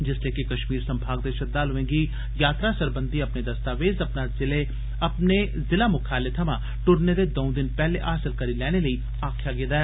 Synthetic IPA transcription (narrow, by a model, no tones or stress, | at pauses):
d͡ʒɪsleːkɪkəʃmiːɾsə̃mbʱaːɡd̪eːʃəd̪aːlɦʊẽːŋɡi | jaːt̪ɾasəɾbə̃nd̪ʱiəpned̪əst̪aːʋeːzɐpnazɪle | ɐpne | zɪlaːmʊkʰaːlet̪ʰɐmãː | ʈʊɾned̪eːd̪oːʊ̃d̪ɪnpɛːlḛʔaːsɪlkəɾilɛːñeləiː | aːkʰjaːɡẽːd̪aɛː